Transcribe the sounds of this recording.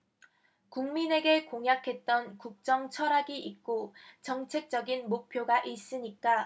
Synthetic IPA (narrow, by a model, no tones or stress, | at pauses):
kuŋmine̞ɡe̞koŋɦjakʰe̞t̚t͈ʌnkuk̚t͡ɕ͈ʌŋt͡ɕʰʌɾaɡiʔik̚k͈ot͡ɕʌŋt͡ɕʰe̞k̚t͡ɕ͈ʌɡinmok̚pʰjoɡaʔis͈ɯɲik͈a